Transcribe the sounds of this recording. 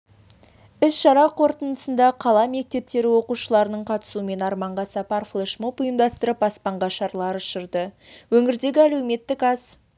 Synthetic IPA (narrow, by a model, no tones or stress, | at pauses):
ɪsʃɑɾɑqʰo̞ɾt̪ənəsənd̪ɑqʰɑlˠɑme̞k̚t̪e̞p̚t̪e̞ɾɪwo̞quʃəlˠɑɾənəɴqʰɑt̪ə̥suəme̞nɑɾmɑɴʁɑsɑpɑrflˠeʃmupʊjəmd̪ɑst̪əɾəpɑspɑɴʁɑʃɑɾlˠɑɾʊʃəɾd̪əwɵŋɪɾd̪e̞ɡʲɪælewme̞t̪ːɪkɑz̥